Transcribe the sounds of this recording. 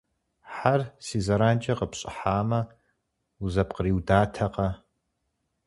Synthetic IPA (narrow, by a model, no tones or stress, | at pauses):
ħarsizɐɾaːnt͡ʃʼɐqəpɕʼɪ̰ħaːmɐ | uzɐpqəɾiwdaːtʰɐqʼɐ